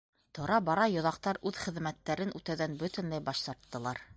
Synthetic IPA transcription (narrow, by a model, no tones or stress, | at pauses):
t̪ŏɾɑbɑɾɑjŏðɑq̚t̪ɑɾʉðχɘ̆ðmæt̪ːæɾɘnʉt̪æwðænbɵt̪ɘ̆nlæjbɑʃt̪ɑɾt̪ːɤ̆lˠɑɾ